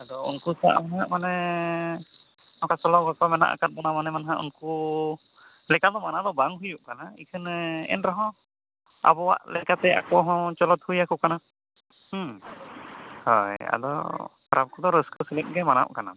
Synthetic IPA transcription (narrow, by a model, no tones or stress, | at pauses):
ad̪ɔṵnkusa̰ʔmanaɦaʔmanɛ | ɔkasɔlɔɡakɔmɛna̰ʔa̰kat̪̚bɔnamanɛmanaɦaʔṵnku | lɛkad̪ɔmanad̪ɔbaŋɦujuʔkanaḭkʰɯnɛ̰nɾaɦɔ̃ | a̰bɔwa̰ʔlɛkat̪ɛa̰kɔɦɔ̃t͡ʃɔlɔt̪̚hujakuʔkana | hɔja̰d̪ɔ̰pɾʔap̚kɔd̪ɔɾəskəsələk̚ɡɛmana̰wʔkana̰